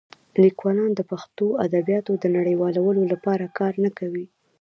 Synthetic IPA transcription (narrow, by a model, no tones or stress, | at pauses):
likwɑlɑnd̪əpaxt̪oad̪abjɑt̪od̪ənaɽəjwɑlawəlolapɑɾakɑɾnakawi